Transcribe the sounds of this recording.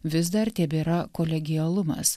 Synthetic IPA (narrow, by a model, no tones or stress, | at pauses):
ʋʲɪs̬d̪ɐɾt̪ʲɛbʲeːɾɐkoːlʲɛɡʲɪjɛlˠʊmɐ̰s